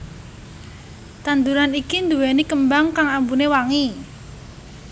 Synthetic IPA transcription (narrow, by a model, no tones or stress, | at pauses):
t̪and̪uɾanikind̪uwɛnikəmbaŋkaŋambunewaŋi